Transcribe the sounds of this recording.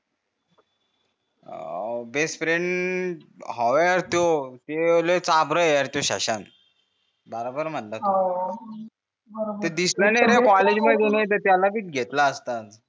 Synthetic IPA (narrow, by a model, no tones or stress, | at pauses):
bespɾeɳʈ | ɦɔʋeəɾt̪jot̪elet͡sabɾəəɾt̪joɕa̰ɕan | bəɾobəɾm̤ənlə | b̪əd̪isɾaneɾekɔled͡ʑməd̪ʱjenet̪̬əɾt̪jalapiːʈ̪ɡʱet̪laəst̪ad͡z